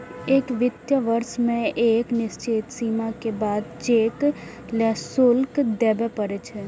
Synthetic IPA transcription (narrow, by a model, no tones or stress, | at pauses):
eːkʋɪt̪jəʋəɾʃmẽʔeːknɪst͡ʃɪt̪siːmakebaːd̪t͡ʃeːk | lɛsʊlkd̪ɛːbɛpəɾet͡ʃʰɛ